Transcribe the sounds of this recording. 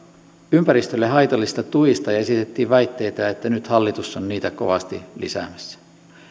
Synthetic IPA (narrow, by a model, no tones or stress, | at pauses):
ympæɾist̪ølːeɦɑjt̪olːist̪ɑt̪uist̪ɑjɑesit̪et̪ːiːʋʋæjt̪ːe̞jt̪æet̪ːænyt̪hɑlːit̪usːonniːt̪æko̞̰ʋɑst̪ḭlisæ̰mæsːæ̥